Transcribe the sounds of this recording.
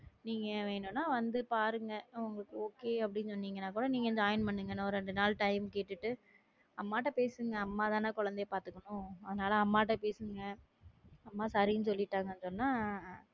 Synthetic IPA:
niːŋɡɐʋeːnʊnːaːʋɐnd̪ɯpaːɾɯŋɡɐʊŋɡɐkːɯoːkeːɐp̬ːɐɽɪnsɔnːiːŋɡɐnaːkuːɽɐniːŋɡɐɛnd͡ʒaːjnpɐɳːɯŋɡɐnːaɔɾɯɛɳɖɯnaːlʈɐɪmkeːʈːɯʈːɯ | ɐmːaːʈːɐpeːsɯŋɡɐɐmːaːt̪ãːnãːkɔɻɐnd̪ejɐpaːɾt̪ɯkːɐnʊ̃ɐðɐnaːlɐɐmːaːʈ̬ːɐpeːsɯŋɡɐ | ɐmːaːsɐɾɪnɯsɔlːɪʈːaːŋɡɐnːsɔnːaː

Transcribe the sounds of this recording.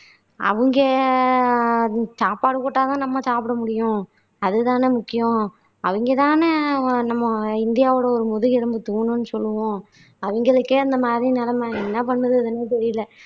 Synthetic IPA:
ɐ̰ʋɯŋɡe | saːpaːɽɯkoːʈːaːt̪ãːnɐmːɐsaːpɪɽɐmʊɽɪjʊ̃ | ɐðɯt̪ãːnɯmʊkːɪjõ | ɐʋɐŋɡet̪ãːnɯnɐmːɐɪnd̪ɪjaːʋɯɽɐɔɾɯmʊðʊɣɪɽɐmbɯt̪uːnɯ̃nːɯsɔlːɯʋõ | ɐʋɯŋɡɐɭɯkːɯɪnd̪ɐmaːd̪ɾinɛlɐmaɛnːɐpɐɳːʋɐðɯɐðɐneːt̪̬ɛɾɪjɪlːɐ

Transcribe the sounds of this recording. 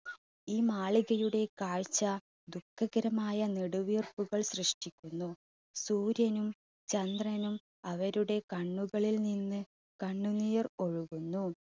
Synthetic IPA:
iːmaːɭiɣɐjuɽe̞kaːɻt͡ɕːɐ | d̪ukːɐɣɐɾɐmaːjɐniɽuʋiːrpuɣɐɭɕrɨʂʈikʲːunːu | suːɾjɐnum | t͡ɕɐnd̪rɐnum | ɐʋɐɾuɽe̞kɐɳːuɣɐɭilninːɨ | kɐɳːunijɐro̞ɻuɣunːu

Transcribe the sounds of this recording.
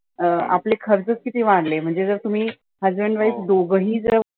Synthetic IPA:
a̰plekʰəɾd͡zət͡skit̪iːʋãɽlem̤əɳd͡zed͡zəɾt̪um̤iː | həzbəɳɖʋaisd̪oɡəɦĩːd͡zəɾ

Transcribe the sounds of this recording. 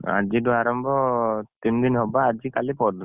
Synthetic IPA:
a̰d͡ʒiduaɾɔmbʱɔt̪imd̪inɦɔbaːd͡ʒikalipɔɾd̪

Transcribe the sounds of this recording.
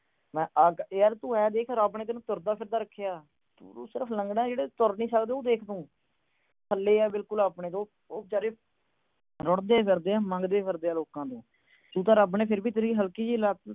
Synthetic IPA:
mɛ̃ːʔəɡəɾt̪ũːɛːd̪eːkʰːɾaːbɳeːt̪̬eːnũːt̪ʊɾd̪aːpʰɪɾd̪aːɾəkʰːejaː | t̪ṵːo̰ːsɪɾəpʰləŋɡɽãːd͡ʒeːɽeːt̪ʊɾnĩːsəkd̪eːoːd̪eːkʰt̪õː | kʰəlːeːɛːbɪlkʊlaːpɳẽːt̪õː | oːt͡ʃaːɾeː | ɾɔɽd̪eːpʰɪɾd̪eːãːmə̃ŋɡd̪eːpʰɪɾd̪eːaːloːkãːt̪õː | t̪ũːt̪ãːɾəbɳẽːpʰɪɾbiːt̪əɾĩɦəlkiːd͡ʒiːlaː

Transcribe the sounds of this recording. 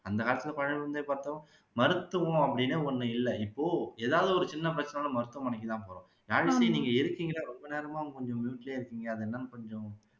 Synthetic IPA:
ɐnd̪ɐkaːlɐt̪ːɪlɐpɐɻɐɳʋʋɐnd̪eːpaːɾt̪ːɐ̃ | mɐɾɯt̪ːɯʋʊ̃ɐpːɐɽɪnːɯɔnːɯɪlːɛɪpːoːeːðaːʋðɯɔɾɯt͡ʃɪnːɐp̬ɪɾɐt͡ʃːɐnaːnɐmɐɾɯt̪ːɐ̃mɐɳɛkːɪt̪ãːpoːɾõ | jaːɾʋisɐjniːŋɡɐɪɾɯkːiŋɡɐɾɐɾɔmbɐneːɾɐmaːŋɡɐkɔɲd͡ʒõmjuːʈːɪleːɪɾɯkːiːŋɡɐɐðɯɛnːɐnɯkɔɲd͡ʒʊ̃

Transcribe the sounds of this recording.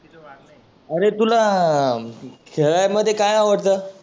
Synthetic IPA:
əɾet̪ula | kʰeɭajməd̪ʱːjekajaʋəɽt̪əː

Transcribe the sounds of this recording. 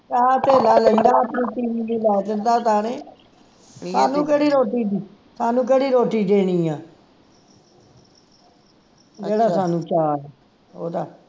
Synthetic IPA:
t͡ʃaːt̪eːlaːləĩːnd̪aːəpənĩːt̪iːʋiːd̪iːlɛːt̪ɪnd̪aːt̪aːnẽː | saːnũːkeːɽiːɾoːʈiː | saːnũːk̬eːɽiːɾoːʈiːɖeːɽ̃iːãː | d͡ʒeːɽaːsaːnũːt͡ʃaːɛː | o̰ːt̪aː

